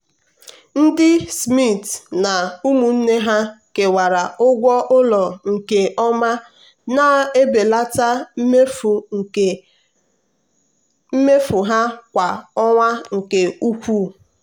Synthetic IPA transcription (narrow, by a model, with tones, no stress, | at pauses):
n̩˦dɪ˦smi˦˨tna˨u˦mu˨n̩˦ne˦ɦa˦ke˨wa˨ɾa˨ʊ˦ɡʷɔ˦ʔʊ˦lɔ˨ŋ̩˨ke˨ʔɔ˦ma˦ | na˨˦e˦be˨la˦ta˦f | m̩˦me˦fu˨ɦa˦kʷa˨ɔ˦ŋʷa˦ŋ̩˨ke˨u˦kʷu˦˨